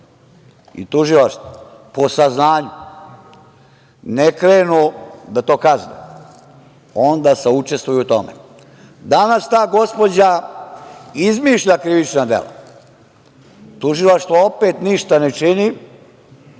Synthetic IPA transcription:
ḭt̪uʒilaʃt̪o | po̞saznaːɲu | nekɾeːnud̪at̪o̞ːkazne | o̞nd̪aːseut͡ʃe̞st̪ʋujuut̪o̞mḛ | d̪anast̪aːɡo̞spo̞d͡ʑa | izmiːʃʎakɾiʋit͡ʃnad̪ḛla̰ | t̪uʒilaʃt̪ʋao̞peːt̪niʃt̪anet͡ʃini

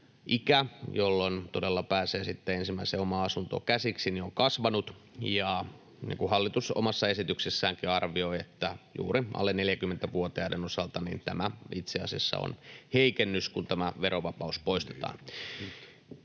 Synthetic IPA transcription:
ʔikæjolːont̪odelːɑpæːseːsit̪ːeensimːæiseomɑɑsunt̪o̰kæsiksinioŋkɑsʋɑnut̪ | jɑ | nḭːŋkuhɑlːit̪usomɑsːɑe̞sit̪yksesːæːŋkiɑrʋioiet̪ːæjṵːriʔɑ̰lːenneljækymːent̪æʋuot̪eɑːdenosɑlt̪ɑnḭːnt̪æ̰mæit̪seɑ̰siɑsːɑ̰o̰nheikenːyskunt̪æmæʋeɾoʋɑpɑuspo̞ist̪e̥t̪ɑ̰ːn

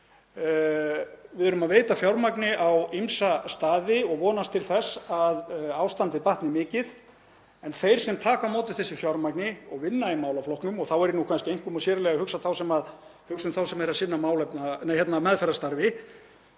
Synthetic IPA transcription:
vɪðʏɾʏmaðveːjt̪afjawɾmaknɪʔawimsast̪aːðɪɔɣvɔːnast̪ʰɪlθɛsaðaːwst̪ant̪ɪpaht̪nɪmɪːcɪð | ɛnθejɾ̥sɛmt̪ʰaːkamoːwt̪ɪ̥θɛsɪfjawɾmaknɪɔɣvɪnːaimaːwlaflɔhknʏmɔɣθawɛɾnukʰvanscɪejŋ̥kʏmɔsjɛːɾʏlɛɣahʏksaθawsɛmaðhʏksʏmθawsɛmɛɾasɪnːamaːwlɛpnanhɛt̪namɛðfɛɾast̪aɾvɪ

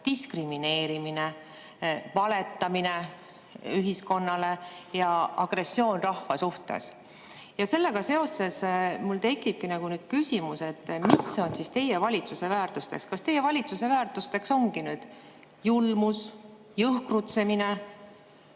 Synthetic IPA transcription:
t̪iskrimine̞ːɾimine | vɑle̞t̪ˑːɑmine̞ | yɦisko̞nːɑle̞jɑɑɡ̥re̞sːjo̞ːnrɑhvɑsuht̪e̞̰s | jɑse̞lːe̞ɡ̥ɑse̞o̞se̞smult̪e̞kˑːib̥̚kinɑɡ̥unyːd̪̥kysʲimuse̞t̪ːmiso̞nsist̪e̞jevɑlʲit̪suse̞væːrt̪ust̪e̞kskɑst̪e̞jːevɑlʲit̪suse̞væːrt̪ˑust̪e̞kso̞ŋɡ̥inyːd̪̥ | julmus | jɤhkrut̪se̞mine

